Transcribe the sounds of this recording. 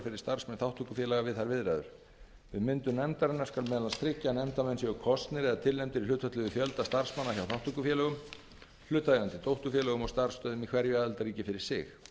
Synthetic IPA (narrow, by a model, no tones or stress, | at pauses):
fɪɾɪ̥ɾ̥st̪ar̥smɛnθawht̪ʰukʏfjɛlaɣavɪðθaɾvɪðɾa̰jðʏ̰ɾ̥ | vɪðmɪnt̪ʏmnɛmt̪aɾɛnːaɾ̥skalmɛðalast̪ɾɪcːanɛm̥t̪amɛnsjɛɣʏkʰɔst̪nɪɾɛðat̪ʰɪlnɛmt̪ɪɾiʏːt̪fœht̪lʏðʏfjœlt̪ast̪ar̥smanːaçawθawt̪ʰːukʏfjɛːlɛɣʏm | l̥ʏːt̪ːaeant̪ɪt̪owht̪ʏfjɛlɛɣʏmɔɣst̪ar̥st̪œːðʏmikʰvɛɾjaðɛlt̪aɾriːcɪfɪɾɪɾ̥sɪx